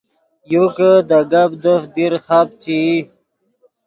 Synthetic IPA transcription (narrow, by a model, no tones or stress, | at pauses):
jukəd̪aɡabd̪əfd̪iɾχap̚t͡ɕi